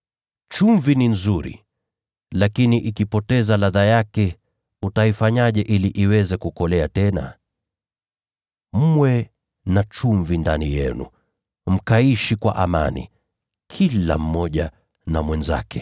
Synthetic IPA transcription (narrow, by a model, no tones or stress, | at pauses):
t͡ʃuɱvininzuɾḭ | lakiniʔikipɔtɛzalaðajakɛ | utaifaɲaʄɛʔiliʔiwɛzɛkukɔlɛatɛna̰ | m̩mwɛ | nat͡ʃuɱvindanijɛ̰nṵ | m̩kaiʃikwa̰ʔama̰nḭ | kʰila̰m̩mɔʄa | namwɛnza̰kɛ